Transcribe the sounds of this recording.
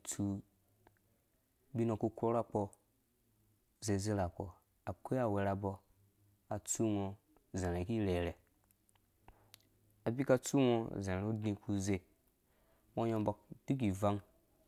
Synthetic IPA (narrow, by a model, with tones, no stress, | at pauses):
t͡su˦ | bi˦no˧ku˧kʷo˦ɾa˦k͡pɔ˧ | ze˧ze˦la˨k͡po˨ | a˨kʷe˦a˨we˧ɾa˧bɔ˧ | a˨t͡su˦ŋo˧ | zẽ˨ɾe˨ki˦ɾe˨ɾe˨ | a˨bi˦ka˧t͡su˦ŋo˧˨zẽ˨u˦dnĩ˧kʰu˧ze˧ | mo˧jo˧bɔ˨k̚di˦k̬i˨va˦ŋ